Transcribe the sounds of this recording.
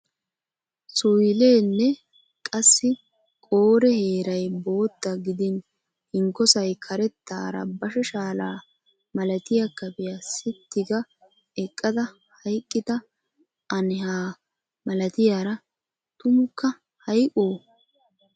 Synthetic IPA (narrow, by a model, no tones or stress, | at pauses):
sʊjle̞ːnːɛ | kʼɐsːɪ | kʼoːɾɛhe̞ːɾɐjbo̞ːt̪ːɐɡɪd̪ɪn | hɪŋkːɔsɐjkʰɐɾɛt̪ːaːɾɐ̰bɐʃɛʃaːlaː | mɐlɐt̪ɪjakːɐbɛjasɪt̪ːɪɡɐ | ɛkʼːɐd̪ɐ | hɐjkʼːɪt̪ɐ | ɐnɪhaː | mɐlɐt̪ɪjaːɾɐ | t̪ʊmʊkːɐ | hɐjkʼoː